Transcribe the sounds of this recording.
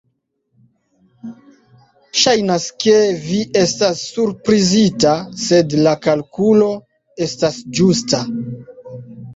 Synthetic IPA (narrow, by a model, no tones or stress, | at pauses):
ʃajnaske̞viʔe̞stasːuɾpɾizitase̞dlakalkulo̞ | e̞stasd͡ʒusta